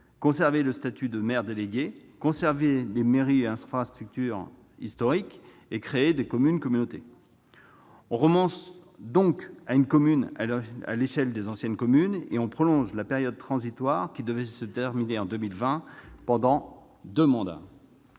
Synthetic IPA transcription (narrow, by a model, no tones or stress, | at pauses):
kɔ̃sɛʁveləst̪at̪ʰyd̪əmɛʁd̪eleɡʲekɔ̃sɛʁvelemeʁiɛ̃ffast̪χyk̚t̪yʁ | ḭst̪ɔʁik | ekχeːd̪ekɔmynkɔmynot̪e | ɔ̃ʁəmɑ̃sd̪ɔ̃kaynkɔmyna̰leʃɛld̪ezɑ̃sjɛnkɔmynḛɔ̃pχɔlɔ̃ʒlapeʁjɔd̪̚t̪χɑ̃zit̪waʁkʲid̪əvɛsət̪ɛʁmineɑ̃d̪ømilvɛ̃pɑ̃d̪ɑ̃ | d̪ømɑ̃d̪a̰